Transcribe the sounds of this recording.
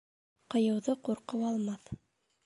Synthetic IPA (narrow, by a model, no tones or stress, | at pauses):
qɤ̆jɤ̆wðɤquɾqɤwɑlˠmɑθ